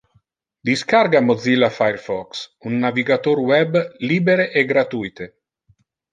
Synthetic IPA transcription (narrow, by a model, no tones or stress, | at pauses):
d̪iskaɾɡamod̪zilafajɾfɔksunːaviɡat̪oɾwɛbliːbeɾeʔeɡɾat̪ujt̪e